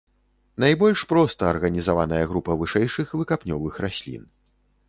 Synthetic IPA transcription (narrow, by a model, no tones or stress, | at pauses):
najbɔlʲʂpɾɔst̪ɐːrɣɐnʲizavanɐjɐɣɾupɐvɨʂɛjʂɨxvɨkapnʲɔvɨxrasʲlʲḭn